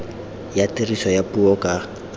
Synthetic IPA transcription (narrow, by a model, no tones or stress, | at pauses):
jatʼɪrisɔjapʼuɔkʼa